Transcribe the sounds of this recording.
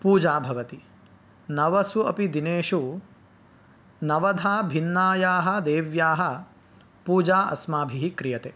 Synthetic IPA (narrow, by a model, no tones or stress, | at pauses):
puːd͡ʒaːbʱɐʋɐt̪i | nɐʋɐsuɐpid̪ineːʃu | nɐʋɐd̪ʱaːbʱinːaːjaːɦɐ̆d̪eːʋjaːɦɐ̆ | puːd͡ʒaːʔɐ̰smaːbʱiɦikɾijɐt̪eː